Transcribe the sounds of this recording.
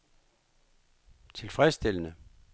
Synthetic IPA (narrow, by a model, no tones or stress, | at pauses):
t͡sʰe̝lfʁɛsd̥e̝l̰ənə